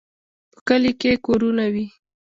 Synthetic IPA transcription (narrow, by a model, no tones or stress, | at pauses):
pə̥kəlikekoɾunawi